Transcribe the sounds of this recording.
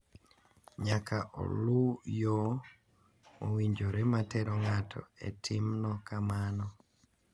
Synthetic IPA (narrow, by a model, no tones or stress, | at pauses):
ɲakʰaʔɔ̰lujo | mowiɲd͡ʒoɾɛmatɛɾɔŋatʰɔ̰ḛtʰɪmnɔkamanɔ